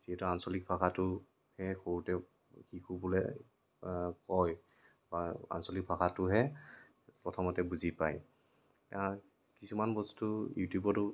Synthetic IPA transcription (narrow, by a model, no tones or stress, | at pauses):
z̥iɦɛtuansɔlik̚bʱakatʊ | hɛxoɹutɛ | xikʰubulɛ̰ | kɔj | baa̰nsɔlik̚bʱakʰatʊɦɛ | pɹɔtʰɔmɔtɛbuzipaj | a | kisumanbɔstujṵtjubɔtʊ